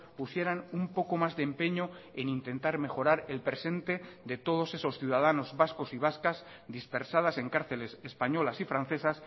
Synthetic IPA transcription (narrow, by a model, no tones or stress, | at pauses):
pusje̞ɾanumpo̞ko̞mazðempe̞ɲoenint̪e̞nt̪aɾme̞xo̞ɾaɾe̞lpɾese̞nt̪e̞ðe̞t̪o̞ð̞o̞se̞so̞sθjuð̞að̞ano̞zβasko̞siβ̞askaz | d̪ispe̞ɾsað̞ase̞ŋkaɾθe̞le̞sespaɲo̞lasifɾan̟θe̞sas